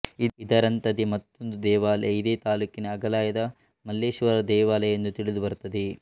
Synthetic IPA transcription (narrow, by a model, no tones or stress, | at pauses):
iid̪ɐɾɐnt̪ɐd̪imɐt̪ːond̪ud̪ɛːʋaːlɛid̪eːt̪aːluːkinɐːɡɐlaːjɐd̪ɐ | mɐlːeːʃʋɐɾɐd̪ɛːʋaːlɛjend̪ut̪iɭid̪ubɐɾut̪ɐd̪e